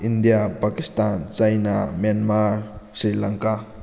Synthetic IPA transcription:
ʔindijapakist̪ant͡ʃajnamanmaɾsɾilaŋka

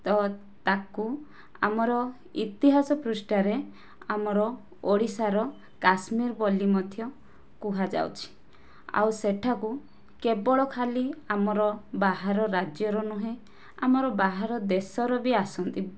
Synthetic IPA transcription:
t̪ɔ | t̪aku | a̰mɔɾɔ | ḭt̪iɦasɔpɾusʈaɾe | amɔɾɔ | oɽisaɾɔ | kasmiɾbɔlimɔd̪ʱjɔ | kuɦad͡ʒa̰wt͡ʃʰi̥ | a̰wseʈʰaku | kebɔɭɔkʰaliamɔɾɔbaɦaɾɔɾad͡ʒjɔɾɔnuɦẽ | amɔɾɔbaɦaɾɔd̪esɔɾɔbiasɔnt̪i

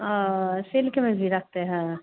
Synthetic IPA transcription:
selkemẽd͡ʒʱiɾak̚ʰt̪eɦɛ̃

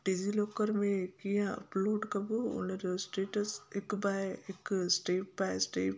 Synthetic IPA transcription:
ɖiziloːkəɾmẽkijãɐ̰ploːɖkɐbuʊ̰nəɾsʈeːʈəsɪkbajɪksʈeːppajsʈeːp

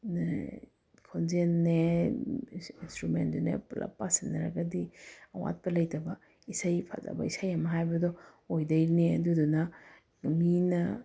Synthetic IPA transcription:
kʰonzenːe | instɾumendunḛplʔa̰pːasinːɐɾa̰ɡɐdiɐwa̰t̚pɐlɐjtɐbɐ | isajpʰa̰za̰bɐ̰isajamɐɦajbɐdɔ | ojdɐjɾniɐ̰dudunɐ | minɐ

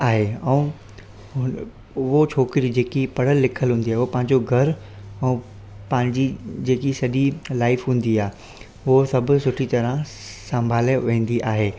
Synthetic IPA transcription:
aːɦeɛ̃ũ | ʊ | ʊɦot͡ɕʰoːkɪɾid͡ʑeːkipɐɽəlːɪkʰəlɦũːn̆d̪iaːɦeʊɦopɐ̃ɦɪ̃ɲd͡ʑoɡʱɐɾ | ɛ̃ː | pɐ̃ɦɪ̃ɲd͡ʑid͡ʑeːkisɐɗilaːɪfɦũːn̆d̪iaː | ʊɦosɐbʱʊ̆sʊʈʰit̪ɐɾə̃ | sɐ̃mbʱaːleʋẽːn̆d̪iʔaːɦeː

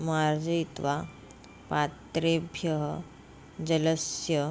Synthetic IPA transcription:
maɾd͡zəit̪ʋa | pat̪ɾebʱjəɦə | d͡ʑələsjə

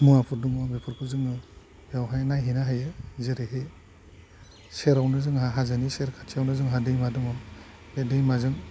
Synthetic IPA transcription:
muŋapʰɯɾduŋɔbipʰɯɾkʰɯzɯŋɯ | jawɦajnajɦinaɦajɯzɯɾeɦe | seɾawnɯzɯŋɦaɦazaniseɾkʰatʰiawnɯzɯŋɦadejmaduŋɔ | bedejmazɯŋ

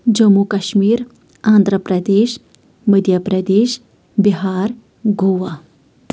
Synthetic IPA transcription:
d͡ʑəmukɐɕmiːɾ | ãnd̪ʱɾəpɾɐd̪eːɕ | məd̪ʱjəpɾəd̪eːɕ | biɦaɾ | ɡoːʋa

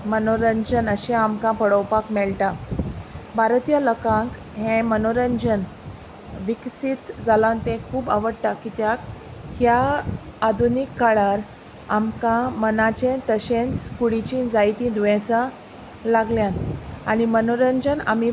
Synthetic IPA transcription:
mənoɾəɲd͡ʑənəɕɛ̃amkãpəɽəwpakmɛɭʈa | bʱaɾt̪ijaləkãŋk | ɦɛ̃mənoɾəɲd͡ʑən | ʋiksit̪d͡zalant̪ẽkʰuːba̰ʋəɽʈ̪akit̪jakhjaː | d̪ʱunikːaɭaɾ | a̰mkãmənat͡ɕẽt̪əɕẽnt͡skuɽit͡ɕiːnd͡zajt̪ĩd̪uʋɛ̃t͡sa | laɡljãnt̪aɽ̃imənoɾəɲd͡ʑəna̰mi

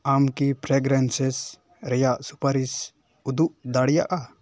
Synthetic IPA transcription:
amkipɾɛɡɾɛnsɛs | ɾɛjaʔsupaɾis | ud̪uʔd̪aɽijaʔa

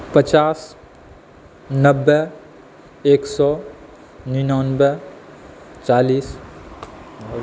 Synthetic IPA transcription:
pət͡ʃaːs | nəbːɛ | eːksɔː | ninɔːnbɛ | t͡ʃaːliːs

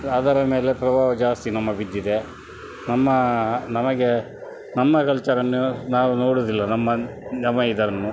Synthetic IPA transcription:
ɐd̪ɐɾɐme̞ːle̞pɾɐbʱaːʋɐd͡ʒaːst̪inɐmːɐbid̪ːid̪e̞ | nɐmːɐnɐmɐɡe̞ | nɐmːɐkɐlt͡ʃɐɾɐnːunaːʋunoːɽud̪ilːɐnɐmːɐd͡ʒɐmɐid̪ɐɾɐnːu

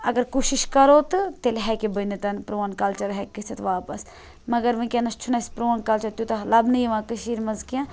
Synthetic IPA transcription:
ɐɡɐɾkuːʃiʃkɐɾoːt̪ɨt̪elɦɛkebɐnet̪ɐnpɾoːnkɐlt͡ʃɐɾɦɛkəsʰɐt̪ʋaːpɐs | mɐɡɐɾʋɐ̃kʲẽnɐst͡ʃʰunɐspɾoːnkɐlt͡ʃɐɾt̪jut̪ɐlɐbnɨjiʋãːkɨʃiːɾmɐzkjãː

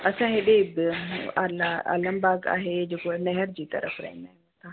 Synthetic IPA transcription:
ɐsãːɦeɗebalaa̰lɐ̃mbaːɡa̰ːɦed͡ʒekonɛɦɛɾd͡ʒiːt̪ɐ̰ɾə̰fɾɐ̰ɪ̃nd̪ãnt̪ãː

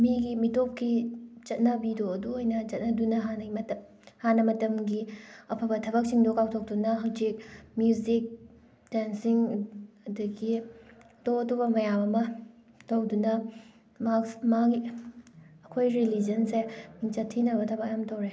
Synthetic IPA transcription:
miɡimitop̚kit͡ʃɐt̚nɐbidoɐduojnɐt͡ʃɐt̚nɐdunɐɦanɐɐ | hanɐmɐtɐmɡiɐpʰɐbɐtʰɐbɐk̚siŋdokawtʰok̚dunɐɦɐwzik̚mjuzik̚ | densiŋɐduɡi | doɐdubɐmɐjabɐmɐ | towdunɐ | maksmaɡi | ɐkʰojɾilid͡ʒɐnsemiŋt͡ʃɐtʰinɐbɐtʰɐbɐkjamtowɾe

